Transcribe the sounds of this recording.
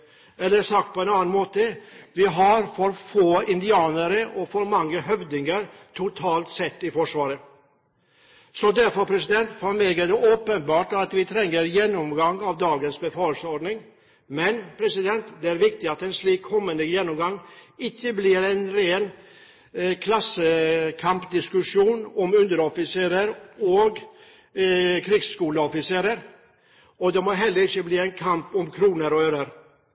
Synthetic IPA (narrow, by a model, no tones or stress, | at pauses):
ɛlːəsɑkt̪̚pʰɔɛnɑːnnmoːt̪əʋɪɦɑɾfɔɾfoːɪnd̪ɪɑːnəɾəʔɔfɔɾmɑŋːəɦœʋd̪ɪŋəɾt̪ʰʊt̪ʰɑːlt̪sɛt̪ːɪfɔʂʋɑːɾə | sɔd̪æɾfɔɾpʰɾɛsɪd̪ɛnt̪fɔɾmeːɡæɖɛʔoːpənbɑːʈɑt̪ʋɪt̪ʰɾɛŋːəɾjɛnːɔmɡɑŋːɑʋd̪ɑːɡənsbəfɑːlsəɔɖnɪŋ | mɛnpʰɾɛsɪd̪ɛnt̪d̪ɛæɾʋɪk̚t̪ɪɑt̪ɛnsliːkʰːɔmːənd̪əjɛnːɔmɡɑŋːɪçːəblɪɾɛnɾeːn | kʰlɑsːəkʰɑmpd̪ɪskʉʂuːnɔmʉnd̪əɾɔfɪseːɾəɾɔɡ | kʰɾɪːɡskuːləɔfɪseːɾəɾ | ɔd̪ɛmɔɦɛlːəɾɪçːəbliːɛɪnkʰɑmpɔmkʰɾuːnəɾɔøɾəɾ